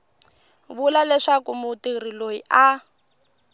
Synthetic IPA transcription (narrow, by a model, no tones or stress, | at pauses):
βulalɛʂakumutirilojiʔa